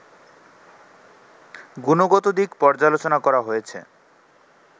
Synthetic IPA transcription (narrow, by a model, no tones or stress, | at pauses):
ɡunoɡot̪od̪ikpɔɾd͡ʑalot͡ɕonakɔɾaɦojet͡ɕʰḛ